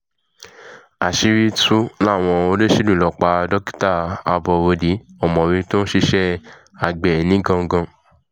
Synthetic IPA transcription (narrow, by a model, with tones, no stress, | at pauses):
a˨ʃi˨˧ɾi˦tu˦la˦˨w̃ɔ̃˧o˧le˦ʃi˦dũ˦˨lɔ˨k͡pa˧dɔ˦ki̥˦ta˦˨a˧bɔ˧wo˧di˨˦ɔ˨mɔ̃˨ɾĩ˧to˦n̩˦ʃi˧ʃɛ˦ | a˨ɡ͡bɛ˨nĩ˦ɡã˧˦ɡã˧